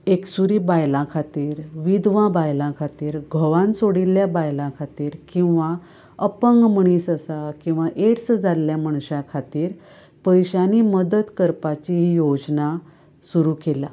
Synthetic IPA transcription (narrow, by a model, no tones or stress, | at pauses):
eksuɾiːbajlãkʰat̪iːɾʋid̪ʋãbajlãkʰat̪iːɾɡʱəʋãnsoɽilːjabajlãkʰat̪iːɾkĩw̃ʋa | əpəŋɡməɳ̃iːsəsakĩw̃ʋaʔeʈsd͡zalːjam̤əɳ̃ɕãkʰat̪iːɾ | pəjɕaniːməd̪ət̪kəɾpat͡ɕiɦijod͡zna | suɾuːkela